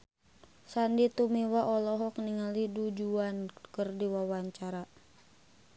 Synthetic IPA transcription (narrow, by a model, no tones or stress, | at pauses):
sandit̪umiwaʔɔlɔɦɔk̚niŋalidud͡ʒuankərdiwawaɲt͡ʃaɾa